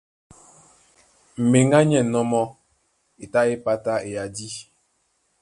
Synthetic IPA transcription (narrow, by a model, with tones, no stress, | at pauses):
m̩˨me˨ŋɡa˦ɲɛ˨nɔ˦mɔ˦ | e˨ta˦e˦pa˦ta˦e˨ja˨di˦